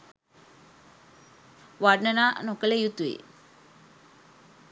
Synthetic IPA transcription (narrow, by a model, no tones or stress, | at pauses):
ʋaɖnənaːnokəlejut̪uḛ